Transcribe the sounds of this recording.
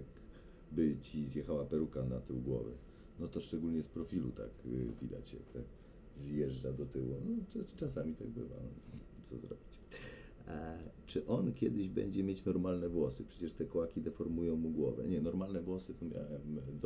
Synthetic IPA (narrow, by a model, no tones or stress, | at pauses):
k | bɘt͡ɕizjɛxawapɛɾukanat̪ɘwɡwɔ̰vɛ̰ | nɔt̪ɔʂt͡ʂɛɡulɲɛspɾɔfʲilṵt̪a̰kvʲid̪a̰t͡ɕɛ̰t̪ɛ | zjɛʐd͡ʐad̪ɔt̪ɘwunɔt͡ʂasamʲit̪aɡ̚bɘ̰va̰t̪sɔ̰zɾɔ̰bʲit͡ɕ | t͡ʂɘʔɔnkʲjɛd̪ɘʑbɛ̰ɲd͡ʑɛmʲjet͡ɕnɔɾmalnɛvwɔsɘpʂɛt͡ɕɛʂt̪ɛkɔwakʲid̪ɛfɔɾmujɔ̃w̃muɡwɔvɛ̰ɲɛnɔɾmalnɛvwɔsɘt̪ɔmʲja̰wɛmd̪